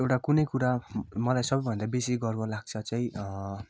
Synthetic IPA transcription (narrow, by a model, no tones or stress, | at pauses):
ewʈakunʌjkuɾamʌlajsʌbʌjbʱʌnd̪abesiɡʌrbolaɡ̚t͡sʰʌt͡saĩʔ